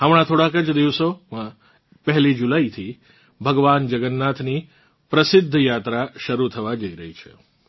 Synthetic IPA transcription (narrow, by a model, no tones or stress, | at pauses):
ɦamɽ̃ãt̪ʰoɽakət͡ʃd̪iʋsomã | pəɦlid͡ʒulait̪ʰi | bʱəɡʋand͡ʒəɡənːat̪ʰni | pɾəsɪd̪ʱːəjat̪ɾaʃəɾut̪ʰəʋad͡ʒəiɾəɦit͡ʃʰḛ